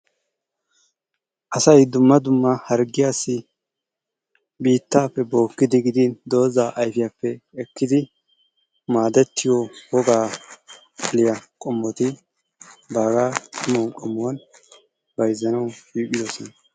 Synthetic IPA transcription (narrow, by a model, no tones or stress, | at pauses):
ʔɐsɐjd̪ʊmːɐd̪ʊmːɐhɐɾɡɪjaːsːɪ | biːt̪ːaːpːɛbo̞ːkːɪd̪ɪɡɪd̪ɪnd̪o̞ːzaːʔɐjfɪjapːɛɛkːɪd̪ɪ | maːd̪ɛt̪ːɪjɔwɔɡaː | ɐlɪjɐkʼɔmːɔt̪ɪ | baːɡaːtʊmɔkʼɔmːʊwɐn | bɐjzːɐnɐwʃiːpʼːɪd̪ɔsɔnɐ